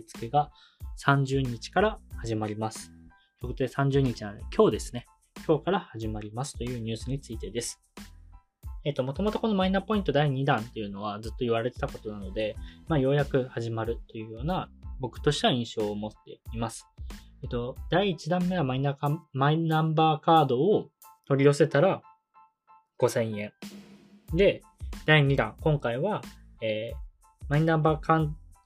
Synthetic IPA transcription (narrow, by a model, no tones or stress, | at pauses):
t͡sɨ̥ke̞ɡa | sãɲ̟d͡ʑɨːɲ̟it͡ɕi̥kaɾahaʑimaɾʲimasɨ̥ | kʲokot̪od̪e̞sãɲ̟d͡ʑɨːɲ̟it͡ɕinãnd̪ekʰʲo̞ːd̪e̞sɨ̥ne̞ | kʲʰo̞ːkaɾahaʑimaɾʲimasɨ̥t̪o̞jɯ̟ːɲ̟ɨ̟ːsɨɲ̟it͡sɨit̪e̞d̪e̞sɨ̥ | et̪ːo̞mo̞t̪o̞mo̞t̪o̞ko̞no̞mainapo̞ĩnt̪o̞d̪aiɲ̟id̪ãnt̪e̞jɯ̟no̞β̞ad͡zɨt̪ːo̞iβaɾe̞t̪e̞t̪ako̞t̪o̞nano̞d̪e̞maːjo̞ːjakɯ̟haʑimaɾɯ̟t̪ːo̞jɯ̟ːjo̞ːnabo̞kɯ̟̥t̪o̞ɕt̪eaĩɰ̃ɕo̞ːmo̞t̪ːe̞̰imasɨ̥et̪o̞d̪̥aiːt͡ɕid̪ãmːe̞βamaĩnːamaiãmbaːkaːd̪o̞ː | t̪o̞ɾʲio̞se̞t̪aɾa | ɡ̥o̞sẽ̞ɰ̃jẽ̞ŋ | d̪e̞ | d̪̥aiɲ̟id̪ã̰ŋkõ̞ŋkaiβa | eː | maĩnːãmbaːkan